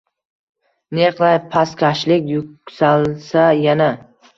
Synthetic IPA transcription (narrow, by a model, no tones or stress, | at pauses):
neqlajpʰaskʲʰaʃlɪkʲjʊksalsajana